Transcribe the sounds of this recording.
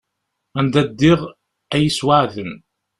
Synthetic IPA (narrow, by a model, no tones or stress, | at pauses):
ænd̪æd̪ːɪʁ | æjəswaʕðən